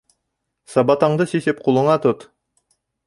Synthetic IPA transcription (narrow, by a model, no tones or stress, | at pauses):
sɑbɑt̪ɑɴd̪ɤsisɘp̚qulˠɤ̆ɴɑt̪ot̪